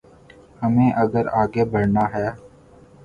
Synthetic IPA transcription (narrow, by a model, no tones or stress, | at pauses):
həmẽːʔəɡəɾaːɡeːbəɾnaːɦɛː